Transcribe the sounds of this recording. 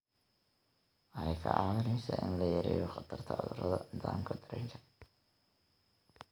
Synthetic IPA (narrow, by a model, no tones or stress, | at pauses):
ʔɐɛkʰɐʔɑːβɪɾɛsɐʔɪ̰nlɐjɐɾɛ̰ːjɔχɑt̪ʰɐrt̪ʰɐʊðʊɾɐðɐnɪðaːmkʰɐd̪ɐɾɛŋkʰɐ̥